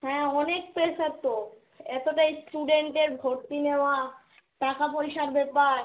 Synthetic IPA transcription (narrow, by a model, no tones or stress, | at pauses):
ɦɛ̃ːɔnek̚plesaɾt̪o | ɛt̪oʈajsʈuɖeɳʈeɾbʱoɾt̪ineoa | ʈakapoɾiʃaɾbepaɾ